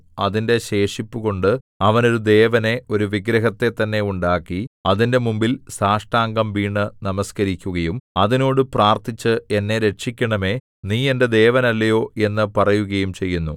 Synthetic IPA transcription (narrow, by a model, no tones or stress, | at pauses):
ɐðinde̞ɕe̞ːʂipːuɣo̞ɳɖɨ | ɐʋɐno̞ɾud̪e̞ːʋɐne̞o̞ɾuʋiɡɾɐɦɐt̪ːe̞t̪ːɐnːe̞uɳɖaːkːiɐðinde̞mumbilsaːʂʈaːŋɡɐmʋiːɳːɨnɐmɐskɐɾikʲːuɣɐjumɐðino̞ːɽɨpraːrt̪it͡ɕːɨe̞nːe̞ɾe̞ʈʂikʲːɐɳɐme̞ː | niːe̞nded̪e̞ːʋɐnɐlːɐjo̞ːe̞nːɨpɐrɐjuɣɐjumt͡ɕe̞jːunːu